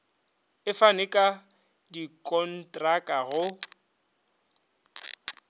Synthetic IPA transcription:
ɪfanɪkʼa | dikʼɔn̩tʼrakʼaɣʊ

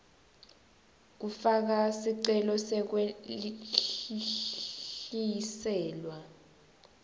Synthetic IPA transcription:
k̬ufak̬asiǀɛlɔsɛk̬we | isɛːlwa

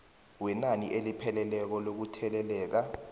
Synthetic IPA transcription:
wɛnanḭʔelipʰɛlɛlɛk̬ɔlok̬utʰɛlɛlɛːk̬a

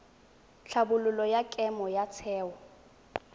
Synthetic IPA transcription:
ɬʰabʊlʊlɔjakʼɛmɔjat͡sʰɛːwɔ

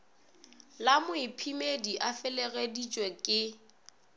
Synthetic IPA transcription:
lamʊɪpʰimediʔafɪlɛɣedit͡ʃʼwɛkʼɪ

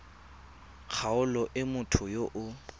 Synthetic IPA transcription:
k͡xʰaʊlɔʔɪmʊtʰʊjoʔʊ

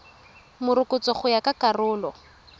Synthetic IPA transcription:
mʊrʊkʊt͡sɔχʊjakakarʊːlɔ

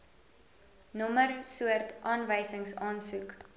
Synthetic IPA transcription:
nɔmərsuərtʔɑːnvəjsəŋsɑːnsuk

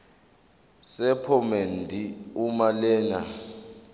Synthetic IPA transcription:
sɛpʰɔmendʱiumalɛːŋa̰

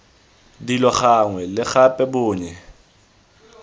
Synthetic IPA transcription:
dilɔχaŋwɛlɪxapʼɛbʊːɲɛ

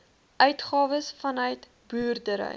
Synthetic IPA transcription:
ʔœɥtχɑːvəsfɐnœɥt | buːrdəɾə̰j

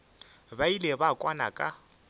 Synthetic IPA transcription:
bailebakʼwana̰kʼa

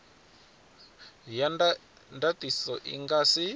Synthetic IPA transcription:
jan | ndatisɔʔḭŋɡasi

